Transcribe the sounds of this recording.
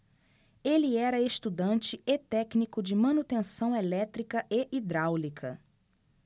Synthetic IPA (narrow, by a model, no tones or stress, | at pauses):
elɪɛɾɐest̪ud̪ɐ̃nt͡ʃɪet̪ɛknikʊd͡ʒɪmɐ̃nut̪ẽsɐ̃w̃elɛt̪ɾikɐʔeʔid̪ɾawlikʰɐ̰